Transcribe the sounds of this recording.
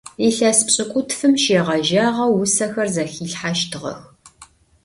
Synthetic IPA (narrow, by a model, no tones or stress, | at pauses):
iɬɐspɕʼɪkʷʼʊtfɨmʃeːʁɐʒaːʁɐwːʊsɐxɐrzɐxiːɬħaʃtʰɨʁɐ̰x